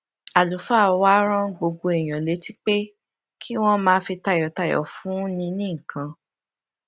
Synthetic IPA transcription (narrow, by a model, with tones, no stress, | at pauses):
a˨lu˨˦fa˦˨˧wa˦ɾ̃ã˦ɡ͡bo˧ɡ͡bo˧e˨j̃ã˨le˨˦ti˦k͡pe˦ | kʰi˦w̃ɔ̃˦mãː˧˦fi˧ta˦˨jɔ˨ta˦˨jɔ̰˨˦fũ˨˦nĩ˧nĩ˦ŋ̩˨kã˧